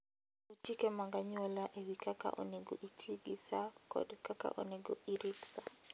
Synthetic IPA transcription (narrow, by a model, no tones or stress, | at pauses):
utikemaŋɡaɲɔlaʔewikaka̰ʔo̰neɡo̰ʔitʰiɡisakɔ̰dkaka̰ʔoneɡoiɾipsa